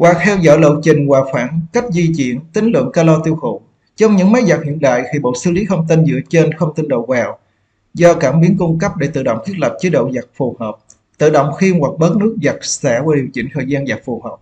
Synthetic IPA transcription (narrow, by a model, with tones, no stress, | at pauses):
waː˨˩k̚t̪ʰɛ˧wzɔ̰˧˥jlə̰˧˨t͡ɕï˨˩ŋ̟kwaː˨˩xwaː˧˩nka˦˥jk̟̚zi˧t͡ɕḭ˧˨ənt̪ï˨˦ŋ̟lwɨ̰˧˨ənkaː˧lɔ˧t̪i˧əwxṵ˧˨ | t͡ɕɔ˧wŋ͡mɲɨ̰˧˥ŋma˨˦jza˨˩k̚hḭ˧˨ənɗa̰ː˧˨jxi˧˩ɓo̰˧˨sɨ˧˦li˨˦xə˧wŋ͡mt̪i˧nzɨ̰˧˥ət͡ɕe˧nxə˧wŋ͡mt̪i˧nɗo̰˧˨vaː˨˩w | zɔ˧kaː˧˩mɓi˨˦ənkʊ˧ŋ͡mkə˦˥p̚ɗe˧˩t̪ɨ̰˧˨ɗo̰˧˨ŋ͡mk̪ʰi˦˥lə˨˩jp̚t͡ɕe˨˦ɗo̰˧˨wza˨˩k̚fu˨˩həː˨˩p̚ | t̪ɨ̰˧˨ɗo̰˧˨wŋ͡mxi˧ənwa˨˩k̚ɓəː˦˥t̚nɨ˦˥ək̚za˨˩k̚sa̰ː˧˩˥vwaː˧˩ɗi˨˩əwt͡ɕï˧˩ŋ̟t̪ʰəː˨˩jzaː˧nza˨˩k̚fu˨˩həː˨˩p̚